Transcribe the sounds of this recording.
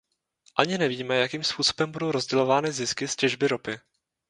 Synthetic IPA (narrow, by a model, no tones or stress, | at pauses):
ʔaɲɪnɛviːmɛjakiːmspuːso̞̥bɛmbudo̞wɾo̞zɟɛlo̞vaːnɪzɪskɪscɛʒbɪɾo̞pɪ